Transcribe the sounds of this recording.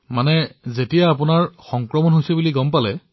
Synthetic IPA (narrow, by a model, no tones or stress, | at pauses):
manɛzetijaːp̬unaɹxɔŋkɹɔmɔnɦojsibuliɡɔmpalɛ